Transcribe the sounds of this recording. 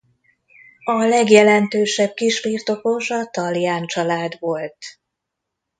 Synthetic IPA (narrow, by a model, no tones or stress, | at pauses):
ɒlɛɡjɛlɛnt̪øːʃɛb̚kiʃʋirt̪o̞ko̞ʃɒt̪ɒlijaːnt͡ʃɒlaːd̪ʋo̞lt̪